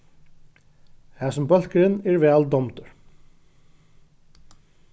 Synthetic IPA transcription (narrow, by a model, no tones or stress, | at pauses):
hæːsʊmbœl̥kɾɪnːɛɹvɛːld̪ɔmt̪ʊɹ̥